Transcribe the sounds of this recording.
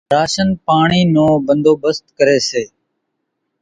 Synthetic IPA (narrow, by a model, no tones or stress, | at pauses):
ɾaːʃənpaːɳiːnõːbənd̪ʱoːbəst̪̚kəɾeːseː